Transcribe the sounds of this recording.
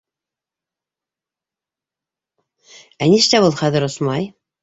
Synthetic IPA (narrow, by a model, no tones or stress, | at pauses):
æniʃt̪æbulˠχæðɘ̆ɾŏsmɑj